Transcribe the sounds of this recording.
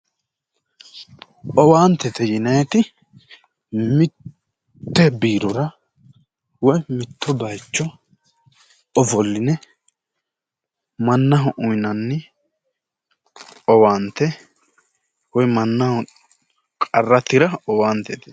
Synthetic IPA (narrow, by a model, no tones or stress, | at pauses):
ɔwaːnt̪ɛt̪ɛjɪnɐjɛt̪ɪ | mɪt̪ː | ɛbiːɾɔɾɐ | wɔjmɪt̪ʰːɔbɐjt͡ʃːɔ | ɔfɔlːɪnɛ | mɐnːɐɦɔʔʊjnɐnːɪ | ɔwaːnt̪ːɛ | wɔjmɐnːɐhɔ | kʼɐrːɐt̪ɪɾɐɔwaːnt̪ɛt̪ɛ̥